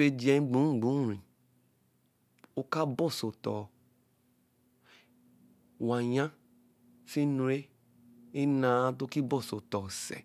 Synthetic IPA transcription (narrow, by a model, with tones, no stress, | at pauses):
e˧d͡ʒi˨ɛ˧˦˧ɡ͡bũ˨˦˨ɡ͡bũ˨˦˨ɾĩ˨ | o˧ka˦bɔ˦˨so˨tɔ˨ | wa˨ɲã˦ | fi˦nu˧ɾe˦ | i˦nã˦to˦ki˦bɔ˦˨so˨tɔ˨sɛ̰˨